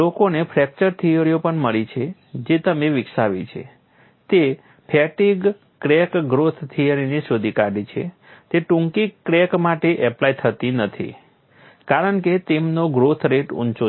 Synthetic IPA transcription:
lokonepʰɾɛk̚t͡ʃəɾt̪ʰijəɾijopəɳməɭit͡ʃʰe | d͡ʒet̪əmeʋɪkʃaʋḭt͡ʃʰḛ | t̪e | pʰɛʈiɡ | kɾekɡɾot̪ʰt̪ʰːijəɾiniʃod̪ʱikaɖit͡ʃʰḛ | t̪eʈũŋkikːɾekmaʈeʔɛplait̪ʰət̪inət̪ʰḭ | kaɾəɳket̪emnoɡɾot̪ʰɾeʈṵnt͡ʃo

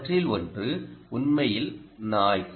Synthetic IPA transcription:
ʈrɪlɔndrɯʊnmɐjɪlnaːj

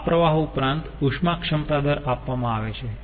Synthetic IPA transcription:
pɾəʋaɦupɾant̪uʂmakʃəmət̪ad̪əɾapʋamãaʋet͡ʃʰe

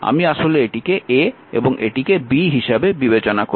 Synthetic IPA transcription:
a̰miaʃoleeʈikeʔe | ḛboŋʔeʈikebiɦiʃabebibet͡ɕonako

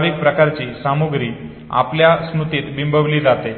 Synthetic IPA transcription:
ɾik̚pɾəkaɾt͡ɕiːsamuɡɾiː | a̰pljasmut̪it̪bimbʱəʋliːd͡zat̪e

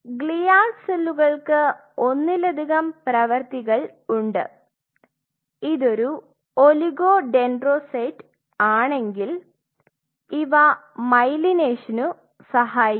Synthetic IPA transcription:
ɡɭijaːselːuɣɐɭkɨ | onːiled̪ʱiɣɐmprɐʋɐrt̪iɣɐɭuɳɖɨ̰ | iðo̞ɾu | oliɣo̞ːɖe̞nɖroːsɐjʈ | aːɳe̞ŋɡil | iʋɐ | mɐjlineːʂɐnu | sɐɦaːji

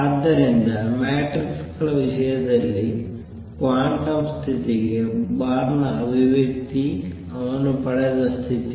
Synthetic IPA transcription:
ɐd̪ːɐɾind̪ɐmeːʈrikskɐɭɐʋiʂɐjɐd̪ɐlːi | kʋaːɳʈɐmst̪ʰit̪iɣebaːɾnɐʋiʋjɐk̚t̪i | ɐʋɐnupɐɽɐðɐst̪ʰit̪i

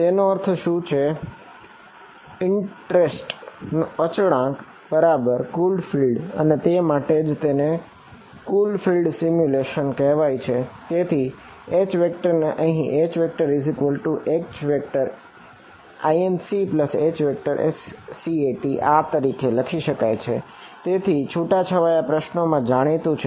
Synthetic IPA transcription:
t̪enoəɾt̪ʰʃũt͡ʃʰe | ɪɳʈɾesʈnoət͡ʃɽãk | bəɾabəɾkulfilɖə̰net̪emaʈed͡ʒt̪ene | kulfilɖsimjuleʃənkɛɦʋajt͡ʃʰet̪et̪ʰi | et͡ʃʋek̚ʈəɾneʔəɦĩʔet͡ʃʋek̚ʈəɾɪzikʋəlʈuʔet͡ʃʋek̚ʈəɾ | aiensipləset͡ʃʋek̚ʈəɾʔḛsːieʈiʔat̪əɾikʰeləkʰiʃəkajt͡ʃʰe | t̪et̪ʰit͡ʃʰuʈat͡ʃʰəʋajapɾəʃnomãd͡ʒaɽ̃it̪ũt͡ʃʰ

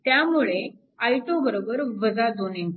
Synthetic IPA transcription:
t̪jamuɭe | ajʈobəɾobəɾʋəd͡zad̪onen

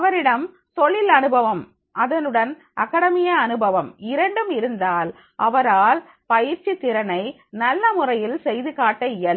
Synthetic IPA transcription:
ɐʋɐɾɪɽɐm | t̪ɔɭːɪlɐnɯbɐʋɐm | ʔɐðɐnɯɽɐn | ʔɐkːɐɽɐmɪjɐːnɯbɐʋɐmɪɾɐɳɖɯmɪɾɯnd̪aːl | ʔɐʋɐɾaːl | pɐjɪɾt͡ʃit̪ːɪɾɐnɐɪ | nɐlːɐmʊrɐjɪlsɛjðɯɣaːʈːɐɪjɐl

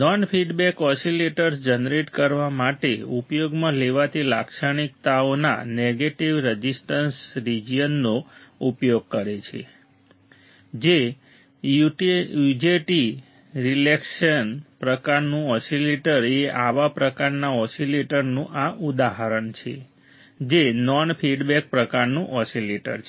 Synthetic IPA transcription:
nɔnfʰiɖbɛkɔsileʈəɾsd͡ʒənɾeʈkəɾʋamaʈeupjoɡmãleʋat̪ʰilakʃaɽ̃ikt̪aona̰neɡeʈiʋɾəd͡ʒisʈənsɾid͡ʒijənːoupjoɡ̚kəɾet͡ʃʰḛ | d͡ʒe | juʈjud͡ʒeʈi | ɾilekʃənpɾəkaɾnũɔsileʈəɾeʔaʋapɾəkaɾnaɔsileʈəɾnũʔaʔud̪aɦəɾəɳt͡ʃʰḛ | d͡ʒenɔnpʰiɖbɛk̚pɾəkaɾnũʔɔsileʈə̰ɾt͡ʃʰ

